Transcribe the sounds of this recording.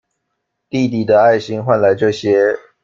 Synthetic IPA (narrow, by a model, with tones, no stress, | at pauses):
t̪i˥˨t̪i˨˩d̪ə˦a˥˩ɪɕi˥ŋxwa˥˧˩nla˨˥ɪʈ͡ʂɤ˥˩ɕjɛ˦